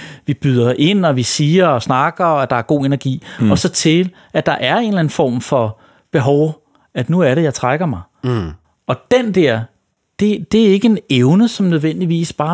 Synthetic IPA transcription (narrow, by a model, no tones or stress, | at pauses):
ʋib̥yð̞ˠɐʔe̝n̰ɒ̽ʋisiːɐɒsnɑ̈ɡ̥ɐæd̥ɑ̈æɐɡ̥o̝̰ːe̝næɐɡ̥ḭːɒ̽sɒ̽t͡sʰe̝l | ʔæ̥ɑ̈ʔæɐe̝ːnlæn̩fɒ̰ːmfɒ̽ | b̥e̝ɦɒʊ | æd̥nuæɐɾejɑ̈ɪt͡sʰʁaɡ̥ɐmɑ̈ɪ | ɒ̽d̥end̥ɛɐ̰ | d̥e̝d̥e̝æe̝ɡ̥əe̝neʊnəsɒ̽mnøð̞ˠʋen̰d̥iʋḭːsb̥ɑ̈ː